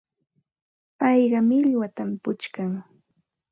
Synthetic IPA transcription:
pɑjɢɑmɪʎwat̪ampʊt͡ʃkaŋ

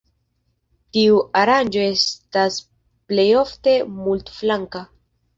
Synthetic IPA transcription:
t̪iuʔaɾand͡ʒoe̞st̪as | plejo̞ft̪e̞mult̪flaŋka

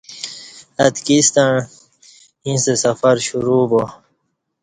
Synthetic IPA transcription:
ɐt̪kist̪aɳ | ĩsesɐfɐɾɕuɾuːbo

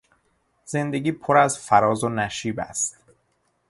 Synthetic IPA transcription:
z̥e̞nd̪e̞ɡiːpʰoɾæzfæɾɒːzonæʃiːbæ̰st̪

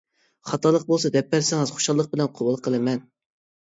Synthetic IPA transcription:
χɑt̪ʰɑlˠəq̚bolˠsɑd̪ɛpːæɾsɪŋɨzχo̥ʃɑlˠːəq̚bɪlɛnqʰobulˠqʰəlˠɨmɛn

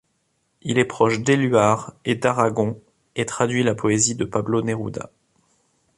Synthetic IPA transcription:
ilɛpχɔʃd̪elyaʁed̪aʁaɡɔ̃ | et̪χad̪ɥilapɔezid̪əpabloneʁṵd̪a̰

